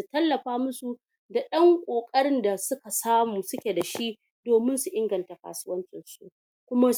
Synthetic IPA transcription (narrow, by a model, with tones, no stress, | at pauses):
su˨tɐ˦lːɐ˨ɸaː˦mʊ˦su˨ | da˨ɗɐ˦ŋkʷʼoː˨kʼɐ˦ɽɪ˦nda˨sʊ˦ka˨saː˦muː˨sʊ˦kʲe˨da˨ʃi˦ | doː˨mɪ˦nsu˨ʔɪ˦ŋɡɐ˨nta˨ka̰ː˨sʊ˦wɐ˦nt͡ʃʼɪ˨nsu˦ | kʷʊ˦ma˦